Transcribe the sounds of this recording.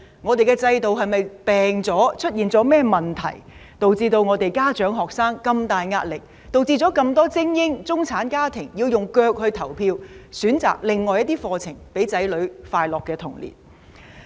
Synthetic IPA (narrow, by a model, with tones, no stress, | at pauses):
ŋɔː˨˧t̪e˨jkɛː˧t͡sɐ˧jt̪o˨wɦɐ˨jmɐ˨jpɛː˨ŋt͡sɔː˨˥t͡ʃʰɵ˥t̚jiː˨nt͡sɔː˨˥mɛː˥mɐ˨nt̪ʰɐ̰˨˩jt̪o˨wt͡siː˧t̪o˧wŋɔː˨˧t̪e˨jkaː˥t͡ʃœː˨˥ŋɦɔː˨˩k̚saː˥ŋkɐ˧mt̪aː˨jŋaː˧t̚lɪ˨k̚ | t̪o˨wt͡siː˧t͡sɔː˨˥kɐ˧mt̪ɔː˥t͡sɪ˥ŋjɪ˥ŋt͡sʊ˥ŋt͡sʰaː˨˥nkaː˥t̪ʰɪ˨˩ŋjiː˧wjʊ˨ŋkœː˧k̚hɵ˧ɥt̪ʰɐ˨˩wpʰiː˧wsyː˨˥nt͡sa̰ː˨k̚lɪ˨ŋːɔː˨˧jɐ˥t̪̚iː˥fɔː˧t͡sʰɪ˨˩ŋpe˨˥jt͡sɐ˨˥jlɵ˨˧ɥfaː˧jlɔː˨kːɛː˧t̪ʰʊ˨˩ŋlḭː˨˩n̚